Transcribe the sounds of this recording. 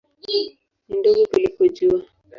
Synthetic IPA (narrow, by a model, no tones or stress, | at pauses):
nindɔɡɔkulipɔd͡ʒua